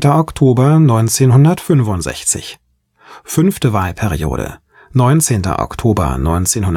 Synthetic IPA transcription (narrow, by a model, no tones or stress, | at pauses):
tɐʔɔktʰoːbɐnɔʏnt͡seːnɦʊndɐtfʏnvʊntz̥ɛ̰çt͡sɪ̰ç | fʏnftəvaːlpʰɛʁio̰ːɾə̰ | nɔʏnt͡seːntɐ̰ʔɔ̰ktʰoːbɐ̰nɔʏnt͡seːnhʊn